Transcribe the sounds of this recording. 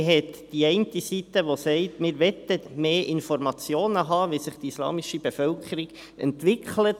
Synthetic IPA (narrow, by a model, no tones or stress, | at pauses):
ɦɛt̪d̥iɛɪntisit̪əʋosɛɪtmɪːɾʋɛt̪əmeːʔɪnfɔrmɑt͡sjoːnəɦɑːʋisɪχtislɑ̰ːmiʃib̥efœlkχəɾiɡ | ɛ̰ntʋɪkχʰlət